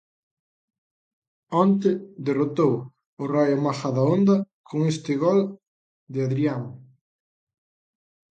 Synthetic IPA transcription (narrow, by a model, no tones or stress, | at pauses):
ɔnt̪ɪd̪erot̪ow | ʊrajomaxaðaond̪ɐ | kʰoŋest̪ɪɣɔl | d̪ɪaðɾiaŋ